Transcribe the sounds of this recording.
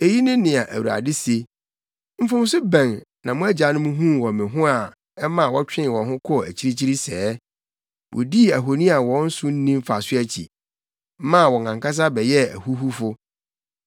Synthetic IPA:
e˨ji˦nɪ̃˦nɪ̃˨a˨ʔæ̰˨wu˨ɾa̰˨dɪ˦si˦e˨ | m̩˦fʊ̃˦m˦sʊ˦bæ̃˨nnã˨mʊ̃˦æ˦d͡ʑa˨˦nʊ̃˦mũ˦ɦũ˦˨wɔ˨mɪ̃˨ɦʊ̃˦a˨ | ɛ˦mã˨wɔ˦t͡ɕᶣɪ̃˦n˨wɔ̃˨ɦʊ̃˦kʰɔ˦˨æ̰˨t͡ɕʰi˦ɾi˦t͡ɕʰi˦ɾi˦sɛː˦ | wʔɔ̰˨di˦˨æ˨ɦo˨nĩ˦a˨wɔ̃˦n̩˦sʊ̃˦n̩˦nĩ˦m˦fa˨sʊ˦æ˨t͡ɕʰḭ˨˦ | mã˦˨wɔ̃˨ŋʰã˨ŋka˦s̬a˦bɛ˨jɛ˦æ̰˨hu˦ɦu˦fʊ˦

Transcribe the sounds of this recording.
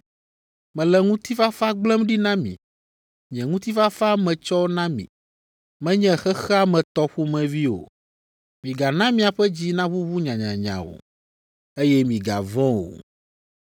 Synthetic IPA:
mɛ̃˨lɛ˨ŋũ˦t̪i˦fa˦fa˦ɡ͡blɛ˦mɖi˦nã˦mḭ̃˨ | ɲɛ̃˨ŋũ˦t̪i˦fa˦fa˦mɛ̃˨t͡ʃɔ˦nã˦mḭ̃˨ | mɛ̃˦ɲɛ̃˦xɛ˦xɛ˦a˦mɛ̃˨t̪ɔ˦ɸu˦mɛ̃˨vi˦wo̰˨ | mĩ˨ɡa˨nã˦mĩ˨a˨ɸɛ˦d͡ʑi˦nã˦βu˦βu˦ɲã˨ɲã˨ɲã̰˨wo̰˨ | e˦jɛ˦mĩ˨ɡa̰˨vɔ̃˦wo̰˨

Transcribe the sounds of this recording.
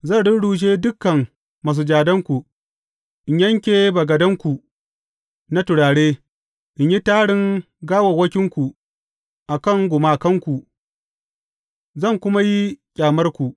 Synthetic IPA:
zɐ˦˨ɽɪ˦nɽuː˨ʃ̬eː˦dʊ˦kːɐ˨ŋ | ma˨s̬u˨d͡ʒaː˨dɐ˦ŋkʷu˨ | ʔɪ˨ɲjɐ˦ŋkʲeː˨ba˨ɡɐ˨dɐ˦ŋkʷu˨ | na˦tʊ˨ɽaː˨ɽeː˦ | ʔɪ˨ɲji˦taː˦ɽɪ˦ŋ | ɡaː˦wɐ˨wɐ˦kʲɪ˦ŋkʷu˨ | ʔa˨kɐ˦˨ŋɡʷʊ˨maː˨kɐ˦ŋkʷu˨ʔ | zɐ˦˨ŋkʷʊ˦ma˦ji˦kʲʼaː˨mɐ˦rkʷu˨ʔ

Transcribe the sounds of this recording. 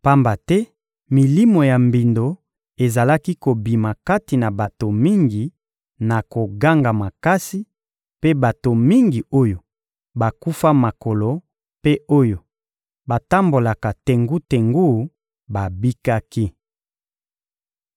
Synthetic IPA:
pa˦mba˨tɛ˦ | mi˨li˦mo˨ja˨mbi˨ndo˨ | e˨za˨la˦ki˦ko˨bi˨ma˨ka˦ti˨na˨ba˨to˨mi˦ŋɡi˨ | na˨ko˨ɡa˦ŋɡa˨ma˨ka˦si˦ | pe˦ba˨to˨mi˦ŋɡi˨o˦jo˨ | ba˨ku˦fa˦ma˨ko˨lo˨ | pe˦o˦jo˨ | ba˨ta˦mbo˨la˨ka˨te˨ŋɡu˦te˨ŋɡu˦˨˦ | ba˨bi˦ka˦ki˦

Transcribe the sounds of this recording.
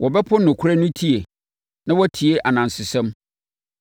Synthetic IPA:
wʔɔ˨bɛ˦pʰʊ˦nʊ̃˨kʷʰu˦ɾa˦nʊ̃˦tʰi˦e˨ | nã˦wɔ˦tʰi˨e˦ʔa˨nã˨n˨sɪ˨sɛ̃˦m

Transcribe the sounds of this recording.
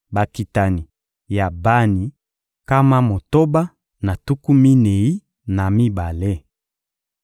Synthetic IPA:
ba˨ki˨ta˨ni˨ | ja˨ba˦ni˨ | ka˦ma˦mo˨to˦ba˦ | na˨tu˦ku˦mi˦ne˨i˦ | na˨mi˦ba˨le˦

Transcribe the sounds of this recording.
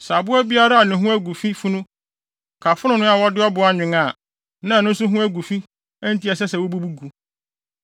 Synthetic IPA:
sa˨bʊ˦ɛ˦bi˦a˦ɾa˦a˨nɪ̃˨ɦũ˦æ˦ɡu˨fi˦fu˦nʊ̃˦ | kʰa˨fʊ˦nʊ̃˨nʊ̃˦a˨wɔ˦dɪ˦ɔ˦bʊ˨˦a˦ɲᶣɪ̃˨ŋa˨ | nã˦˨nʊ̃˦n˦sʊ˦ɦũ˦æ˦ɡu˨fi˦ | ɛ˦n̩˦ti˦ɛ˨s̬ɛ˦sɛ˨wɔ˦bu˦bu˦ɡu˨

